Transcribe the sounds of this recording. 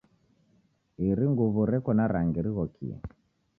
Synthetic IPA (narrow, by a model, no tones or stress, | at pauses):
iɾiŋɡuβuɾɛkɔnaɾaŋɡiɾiɣɔkʰḭɛ̰